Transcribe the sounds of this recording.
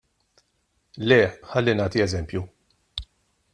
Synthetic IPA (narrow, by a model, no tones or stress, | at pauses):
lɛːħɐlːinɐːt̪iɛzɛmpju